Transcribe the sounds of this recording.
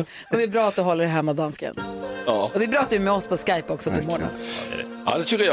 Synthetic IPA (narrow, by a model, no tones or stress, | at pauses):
ɔd̪ɛːɾbɾɑːat̪̚d̪ɵɦɔlːəɾɦɛmːad̪anskə̰nɑɔd̪ɛæɾbɾɑːat̪̚d̪ɵmɛɔspʰɔskajpːɔksɔpʰɔmɔːɳə̰n | a̰d̪ɛt̪ʰɾʉɡə